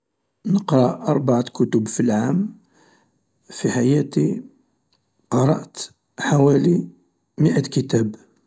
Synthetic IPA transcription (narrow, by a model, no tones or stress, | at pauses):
nəqɾˤɑʔɑɾˤbaʕakʊt̪ʊbfilʕam | fiħajæt̪i | qɑɾˤɑ̰ʔt̪ | ħawæli | məʔæt̪kət̪æb